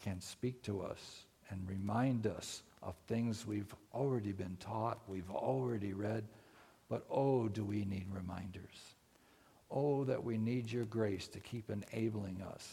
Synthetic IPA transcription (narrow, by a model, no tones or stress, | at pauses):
kʰɨ̃nspik̚tʰəʌ̰s | ɨ̃nɹɨmãɪ̃ndʌsʔʌ̰v̥θɪ̃ŋzwivl̩ˠɹɛɾibɨ̃ntʰɔt̚wivl̩ˠɹɛɾiɹɛd̚ | b̥ʌɾoʊdɨwinid̚ɹɨmã̰ɪ̃ndə˞z̥ | oʊðɨ̰ʔwinid͡ʒə˞ɡɹeɪstʰɨkʰipɨ̃neɪbl̩ˠɪ̃ŋʌ̰s